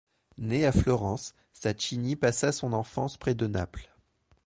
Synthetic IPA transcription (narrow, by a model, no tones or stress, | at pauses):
neaflɔʁɑ̃sː | at͡ʃinipasasɔ̃nɑ̃fɑ̃spχɛd̪əna̰pl